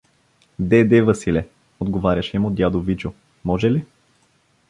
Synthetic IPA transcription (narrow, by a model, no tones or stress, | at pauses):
d̪ɛd̪ɛvɐsilɛ | od̪ɡovaɾʲjɐʃɛmod̪ʲjad̪ovit͡ʃo | mɔʒɛli